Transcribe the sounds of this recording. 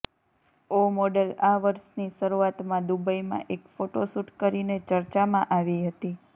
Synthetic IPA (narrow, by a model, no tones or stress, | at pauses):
omɔɖəlaʋəɾʃniʃəɾuat̪mãd̪ubəjmã̰ʔekfoʈosuʈkəɾinet͡ʃəɾt͡ʃamãʔaʋiɦət̪i